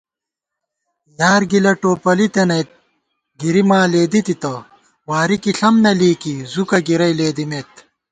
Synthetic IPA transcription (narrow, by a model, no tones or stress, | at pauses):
jaːɾɡilɐʈoːpɐlit̪enɐjt̪̚ | ɡiɾimaːleːd̪it̪it̪ɐ | waːɾikiɬɐmnɐliːkizukɐɡiɾɐjleːd̪imeːt̪